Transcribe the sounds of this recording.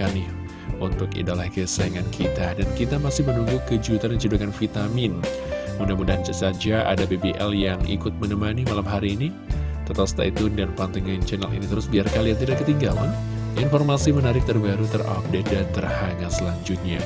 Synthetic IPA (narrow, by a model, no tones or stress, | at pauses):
anɪh | ʔunt̪ʊkḭdalahkəsaaŋankʰit̪adankit̪amasɪhmənuŋɡukəd͡ʒut̪anət͡ʃudukanfit̪amɪnmudamudad͡ʒasad͡ʒaʔa̰dabebeʔɛljaŋḭkʊt̪̚mənəmanimalamɦaɾiːni | t̪ət̪ast̪a̰ʔit̪undanpant̪iŋant͡ʃɛnalḭnit̪əɾʊsbiarkalijaŋt̪̬idaʔkːət̪iŋɡala̰n | infɔrmasimənaɾɪk̚t̪ərbaɾut̪əra̰p̚dedat̪ərhaɲasəlaɲd͡ʒʊt̪̚ɲa